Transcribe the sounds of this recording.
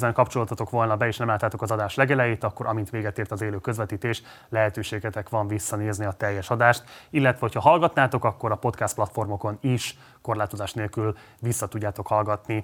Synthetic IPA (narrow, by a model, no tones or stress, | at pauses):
zɛŋkɒpt͡ʃo̞lot̪ɒt̪o̞kʋo̞lnɒbɛeːʃnɛmlaːt̪ːaːt̪o̞kɒzɒd̪aːʃlɛɡɛlɛjeːt̪ɒkːo̞ɾʔɒmint̪ʋeːɡɛt̪eːrt̪ɒzeːløːkøzʋɛt̪iːt̪eːʃ | lɛɦɛt̪øːʃeːɡɛt̪ɛkʋɒɱvisːɒneːzniɒt̪ɛjːɛʃɒd̪aːʃt̪ilːɛt̪ʋɛho̞cʰhɒɦɒlɡɒt̪naːt̪o̞kɒkːo̞ɾɒpo̞t̪kast̪̚plɒt̪fo̞rmo̞ko̞niʃ | ko̞rlaːt̪o̞zaːʃtneːlkyl | visːɒt̪uɟːaːt̪o̞khɒlɡɒt̪ni